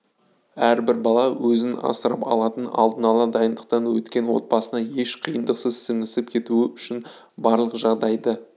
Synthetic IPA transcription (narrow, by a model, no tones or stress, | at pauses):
æɾbɪɾbɑlˠɑwɵzɪnɑ̰səɾɑpɑ̰lˠɑt̪ənɑ̰lˠd̪ənɑlˠəd̪ɑjənd̪əq̚t̪ɑnwɵt̪kʲe̞nwo̞̰t̪̚bɑsənɑje̞ʃqʰijənd̪əqsəzsɪŋɪsɪp̚kʲʰe̞t̪uɪʏʃɪn | bɑɾlˠəqʒɑʁd̪ɑjd̪ə